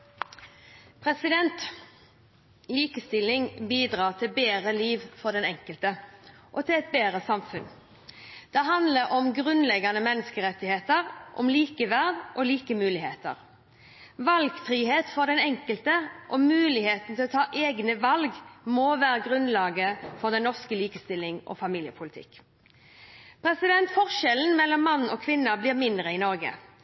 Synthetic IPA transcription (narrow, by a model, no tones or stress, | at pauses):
pʰʁɛsɪd̪ɛnt̪ | liːkəst̪ɪlːɪŋbiːd̪ʁɑːʁt̪ʰɪlbeːʁəliːʋfɔd̪ɛnɛŋkəlt̪əʔɔt̪ʰɪlɛt̪̚beːɾəsɑmfʉn | d̪̥ɛɦɑnd̪ləɾʔɔmɡʁʉnlɛɡɑnəmɛnːəskəʁɛt̪ːɪheːt̪əʁʔɔ̰mliːkəʋæʁd̪ʔɔliːkəmʉːlɪheːt̪ə̰ʁ | ʋɑlɡfɾiːɦeːt̪fɔd̪ɛnɛŋkəlt̪əʔɔmʉːlɪheːt̪n̩t̪ʰɪlɔt̪ʰɑːʔeːɡnəʋɑlɡmoːʋæːɾəɡʁʉnlɑːɡəfɔʁd̪ɛnnɔʁskəliːkəst̪ɪlːɪŋʔɔ̰fɑmiːljəpʰʊlɪt̪ʰɪ̰kː | pʰɾɛsɪd̪ɛnt̪fɔʁʃɛln̩mɛlːɔmːɑnːɔːkʰʋɪnːəblɪːʁmɪnd̪ʁəɪnɔʁɡə̰